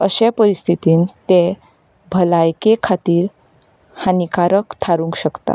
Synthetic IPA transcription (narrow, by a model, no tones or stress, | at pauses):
əɕepəɾist̪ʰit̪iːnt̪e | bʱəlajkekʰat̪iːɾ | hanikaɾəkt̪ʰaɾũŋkɕəkt̪a̰